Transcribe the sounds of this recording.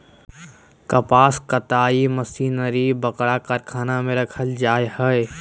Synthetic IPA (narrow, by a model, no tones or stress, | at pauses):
kɐpaːskət̪aːiməsiːnəɾibəkɽakaɾkʰaːnamẽɾɐkʰəld͡ʒaːjhɛe